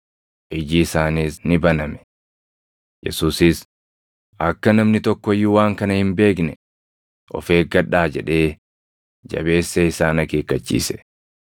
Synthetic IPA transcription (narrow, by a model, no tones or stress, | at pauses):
ʔɪd͡ʒɪːsaːniːsnɪbɐnɐmɛ̥ | jɛ̰suːsɪs | ʔɐkːɐnɐmnɪt̪ɔkːɔjːʊwaːŋkɐnɐhɪmbe̞ːknɛ | ʔɔ̰feːɡɐᶑaːd͡ʒɛᶑe̞ː | d͡ʒɐ̰be̞ːsːeɪsaːnɐke̞ːkːɐt͡ʃːḭːsɛ̥